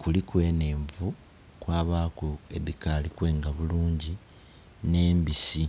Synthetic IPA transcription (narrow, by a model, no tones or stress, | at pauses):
kulikwe̞ːne̞ːɱvu | kwaːβaːkoeðikalikwe̞ːŋɡaβuluːɲɟi | ne̞ːmbisi